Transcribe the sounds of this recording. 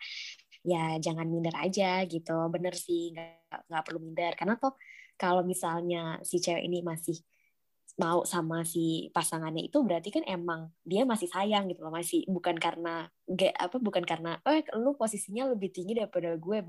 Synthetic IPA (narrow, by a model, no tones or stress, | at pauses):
jad͡ʒaŋanmindəɾa̰d͡ʒaɡit̪ubənərsɪhŋɡa | ʔŋɡaʔpərlumindərkarnat̪ɔhkalomisalɲasit͡ʃɛwʔḭnimasɪh | mausamasipasaŋanɲaḭt̪ubəɾat̪ikanemaŋdiamasɪhsajaŋɡit̪ulɔmasɪhbukankarəna | ɡaʔa̰pabukankarənawɛhluposisiɲaləbɪht̪iŋɡidaɾipadaɡuɛ